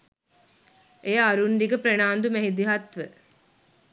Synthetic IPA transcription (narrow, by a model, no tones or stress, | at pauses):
ʔejaɾund̪iɡəpɾenaːnd̪umeɦid̪iɦat̪ʋə